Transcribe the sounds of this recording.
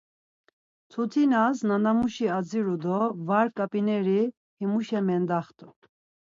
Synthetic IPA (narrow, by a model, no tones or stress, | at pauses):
t͡sʰut̪ʰinasnanamuʃiad͡ziɾud̪ɔvaɾkʼapʼinɛɾi | himuʃɛmɛnd̪aχt̪ʼu